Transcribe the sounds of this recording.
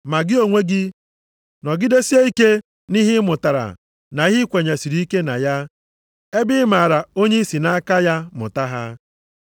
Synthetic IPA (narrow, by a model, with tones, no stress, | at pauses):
ma˨ɡɪ˦o˨ŋʷe˦ɡɪ˦ | nɔ˨ɡɪ˦de˦si˦e˦i˦ke˦ | ni˦ɦɪ˦mʊ˨ta˨ɾa̰˨ | na˨i˦ɦɪ˦kʷe˨ɲa˨si˨ɾi˨˦i˦ke˦na̰˨ja˦ | e˦bɪ˦ma˨a˨ɾa˨o˦ɲe˦i˦si˨na˦ka˦ja˦mʊ̰˨ta˦ɦa˦